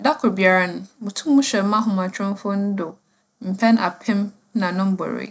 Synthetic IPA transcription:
da˦kʰʊ˨bi˨a˨ɾa˦nʊ̃˨mũ˨tʰũ˦mːũ˦ɕɛ˨m̩˦mã˦ɦʊ̃˨m˨ã˨t͡ɕʰᶣʊ̃˦n˦fʊ˦n̩˦dʊ˨ | m̩˨pʰɛ̃˦na̰˨pʰɪ̃˦m | nã˨nʊ̃˦m̩˦bɔ̰˨ɾḛ˨

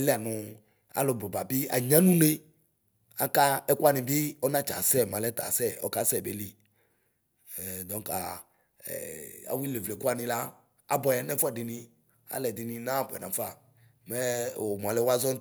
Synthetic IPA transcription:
lɛ˦a˨nʊ̃˨ | a̰˨lɔ˨bɔ˨ba˨bi˦a̰˨ɲã˦nũ˦ne˦ | a˦ka˦ɛ˦kwa˦˨nĩ˨bi˦ɔ˦nã˦t͡ʃa̰˨sɛ˦˨mã˨lɛ˦t̪a̰˨sɛ˦ɔ̰˦ka˦sɛ˦˨be˨˦li˨ | d̪ɔ̃˨˦ŋka̰˨ | a̰˨wi˦le˨vle˨˦ku˦a˦nĩ˨la˦ | a̰˨bɔ˨ja˨nɛ̃˦fa˨dɪ˨nĩ˨ | a̰˨lɛ˨d̪i˨nĩ˨nã˦˨bɛ̰˨nã̰˨˦fa˦ | mɛ˦˨wo˨m˨ã˨lɛ˦wa˦zɔ˦

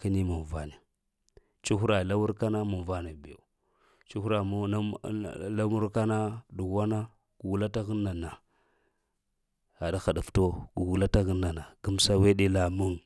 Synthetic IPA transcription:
ka˦ni˦mu˨va˨ne˨ | t͡ʃu˦xu˦ɾa˨la˦wu˦ɾka˦na˦mu˨va˦ne˨be˨ | t͡ʃu˦xu˦ɾa˨m˦a˦la˦mu˦ɾka˦na˦du˨ɣa˦na˦ | ɡ̥u˨ɡu˨la˦ta˦ɣi˦nːa˨na˨ | a˨da˦xa˨da˨fto˦ɡu˨ɡu˨la˦ta˦ɣi˦nːa˨na˨ɡu˦m˦sa˦we˦ɗe˦la˨mu˦ŋ

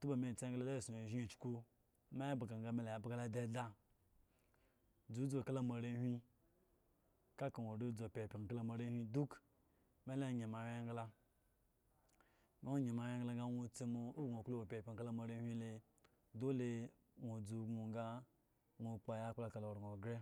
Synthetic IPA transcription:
tu˦ba˨me˨t͡se˦ɡla˦la˦˨su˨o˨ʒi˦˨t͡ʃku˦ | me˦bɡa˨ŋ˨ɡa˦me˦la˨a˨bɡa˦la˦de˦da˦ | d͡zu˨˦d͡zo˨ka˦la˦ma˨ɾe˦hʲʷi˦ | ka˦ka˨nʷo˨ɾo˦d͡zo˨pʲe˨pʲi˨ka˦la˦ma˨ɾe˦hʷi˦du˦k | me˦la˦˨ɲe˨ma˨we˦ŋɡla˦ | ŋa˦o˦ɲe˨ma˨we˦ŋɡla˦ɡa˦nʷo˦t͡se˦mo˨u˦ɡo˨ko˦o˨pʲe˨pʲka˦la˦ma˨ɾe˦hʷi˦le˨ | do˦le˨ | ŋo˨d͡zu˨˦ɡo˨ŋ˦ɡa˦ | ŋʷo˨k͡pa˨ja˦k͡pla˦ka˨lo˨ɾŋo˨ɡɾe˦

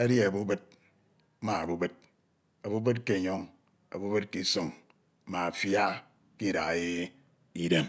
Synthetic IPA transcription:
e˦dje˦a˨bu˦bɨ˦t̚ | ma˨a˨bu˦be˦t̚ | a˨bu˦be˦t̚ke˦˨ɲɔ˦ŋ | a̰˨bu˦bɨ˦t̚ki˦so˨ŋ˦ | ma˨fja˦ | ki˦da˨ɣje˦ | i˦de˦m

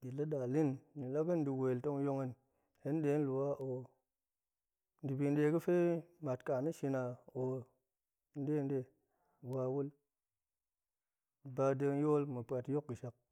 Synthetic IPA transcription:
i˨lə˦ɗa˨li˦nɲi˨la˦kɨ˦n˦di˨we˨lto˧ŋjo˧ŋə˧n | he˦n˦ɗe˨˦n˦lu˨wa˦ʔo˨ | n˦di˨bi˧n˦ɗe˧˦kɨ˦fe˦ma˨tka˨ni˦ʃi˧na˨o˨ | n̩˦de˦˨nde˦˨ | wa˧wu˦l | ba˧də˧ŋjo˦lmɨ˨pa˨tjo˦kɡɨ˨ʃa˨k̚

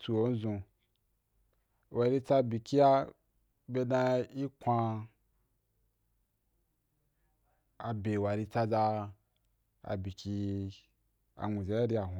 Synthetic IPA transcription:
tu˧o˨˦n̩˦zũ˧ | wa˨ɾi˧t͡sa˧bi˨ki˦ja˦ | be˧dã˧i˦kʷa˧ | a˨be˨wa˨ɾi˧t͡sa˧za˧ | a̰˨bi˨ki˧ | a̰˨ŋʷũ˨za˨˦ja˦ɾi˧a˨ɦ

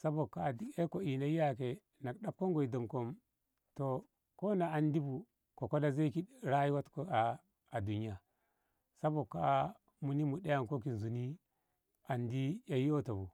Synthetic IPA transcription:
sa˦bo˨kːa˨i˦e˦ko˨i˨na˦i˦ja˦ke˨ | na˨kɗa˦p̚ko˦ŋɡo˨i˨do˨mko˦m | to˨ | ko˦na˨a˨ndi˦bu˨ | ko˨ko˦la˦ze˦ki˦ɾa˦ji˦wa˦tko˨a˨ | a˨du˨ni˦a˨ | sa˦bo˨kːa˦ | mu˨ni˦mu˨ɗa˦ja˨ŋko˦ki˨n˨zu˨ni˦ | a˨ndi˦ja˨ji˦o˦to˨bu˨

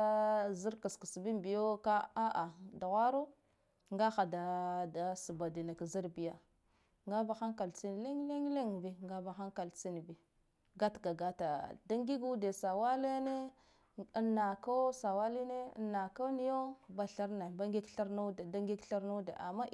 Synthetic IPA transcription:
zi˦ɾka˨ski˨sbi˦mbi˨jo˦ka˦a˦ʔa˨da˨ɣa˦ɾo˦ | ŋɡa˦xa˨da˨da˨su˨ba˨di˨na˨kzi˦ɾbi˨ja˨ | ŋɡa˦ba˨xa˦ŋka˨lt͡si˦n˨le˦ŋ˦le˦ŋ˦le˦ŋ˨bi˨ŋɡa˦ba˨xa˦ŋka˨lt͡si˦n˨bi˨ | ɡa˦tɡa˨ɡa˦ta˨da˦ŋɡi˦ɡu˦de˨sa˨wa˦le˦ne˦ | nːa˨ko˦sa˨wa˦li˦nḛ˦nːa˨ka˦ni˦jo˦ba˦ɬa˦ɾna˨ba˦ɡi˦ɡɬa˦ɾno˦dda˦ŋɡi˦ɡɬa˦ɾno˦dḛ˨ʔa̰˨mːa˦

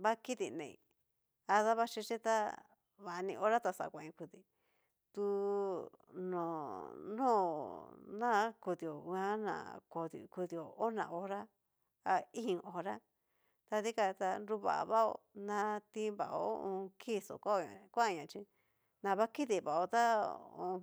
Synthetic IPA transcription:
βa˦ki˦t̪i˧˨nḛ̃˨ḭ̃˨ | a˧ða˦βa˦t͡ʃĩ˧t͡ʃĩ˦t̪a˦ | βa˨˧nĩ˧o˧ɾa˦t̪a˧sa̰˨kʷã˨ĩ˧ku˧ði˨ | t̪u˧ | nõ˨nõː˦˨ | nã˦ku˧ði˧˨o˨˧ã˦nã̰˨ko˧ðḭ˧ku˧ði˧o˨o˦nã̰˧˨ʔo˧ɾa˦ | a˧ĩ˦˧˨ʔo˧ɾa˦ | t̪a˧ði˦ka˧t̪a˧nɾu˧βa̰˨˧βa˦o̰˧ | nã˧t̪ĩ˧˦βa̰˨ʔo̰˦õ˧kʰi˦˨so̰˨ka˦o˧˨ɲã̰˨˧kʷã˦˧ɲã˨t͡ʃĩ˧ | nã˨βa˦ki˦ði˨βa˨o˧t̪a˦õ̰˧

